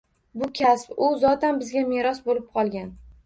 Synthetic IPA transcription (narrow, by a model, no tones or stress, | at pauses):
bʊkʲʰaspʊzɒt̪anbɪzɡʲameɾɒsbolɪp̚qʰɒlˠɡʲan